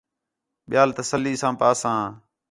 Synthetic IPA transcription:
ɓɪjaːlt̪əsəlːiːsãːpaːsãː

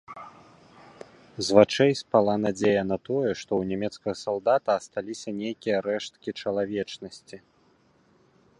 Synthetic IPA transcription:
zvat͡ʂɛjspalˠanad͡zʲejɐnɐt̪ɔjɛʂt̪ɔwnʲɛmʲɛt̪skɐɣɐsalˠd̪at̪ɐːst̪alʲisʲɐnʲejkʲijɐɾɛʂt̪̚kʲit͡ʂɐlˠavʲɛt͡ʂnɐsʲt͡sʲi

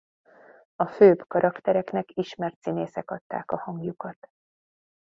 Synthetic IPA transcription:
ɒføːbkɒɾʔɒkt̪ɛɾɛknɛkiʃmɛrt̪sineːsɛkɒt̪ːa̰ːkɒhɒŋɡjukɒt̪

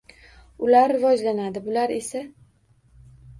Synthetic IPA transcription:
ʊlaɾːɪvɒd͡ʒlanad̪ɪbʊlaɾe̞sa

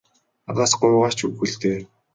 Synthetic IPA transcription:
at̪aːsɢʊːʁaːt͡ɕuɣxɘ̆ɮt̪eː

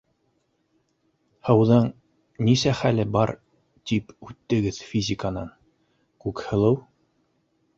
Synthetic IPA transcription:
hɤ̆wðɤɴ | nisæχælɘbɑɾ | t̪ipʉt̪ːɘ̆ɡɘðfʲizʲɪkənɑn | kʉkhɤ̆lˠɤw

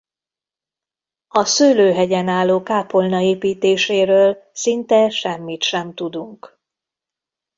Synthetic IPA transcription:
ɒsøːløːɦɛɟɛnaːlːoːkaːpolnɒeːpiːt̪eːʃeːɾøːlsint̪ɛʃɛmːit̪ʃɛmt̪ud̪uŋk

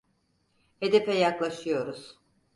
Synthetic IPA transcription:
e̞d̪epɛjaklˠaʃɯjo̞ɾuz̥

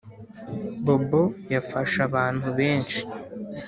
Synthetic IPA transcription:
bobojafaʃaβaːn̥huβe̞ːnʃi̥

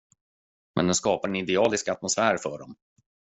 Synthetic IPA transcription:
mʔɛ̰nd̪ɛnskɑːpaɾɛnɪd̪ɛɑːlɪskat̪mʊsfæːɾfœɖɔm

